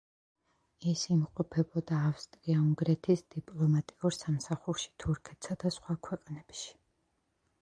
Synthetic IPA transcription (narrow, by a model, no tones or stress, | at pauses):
isimqʼɔpʰɛbɔd̪aːfst̪ʼɾiauŋɡɾɛt̪ʰisd̪ipʼlˠɔmat̪ʼiuɾsamsaχuɾʃi̥t̪ʰuɾkʰɛt̪ʰsad̪asχwakʰwɛqʼnɛbʃi̥